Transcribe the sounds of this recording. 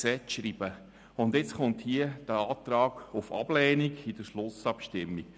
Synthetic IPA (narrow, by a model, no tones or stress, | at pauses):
sɛtʃɾib̥ə | ʊnd̪jɪt͡sχʊnt̪hiəd̥əɑːt̪ɾɑːɡ̥ʊfɑ̰b̥lɛːniɡɪd̥əʃlʊsɑpʃtɪmːik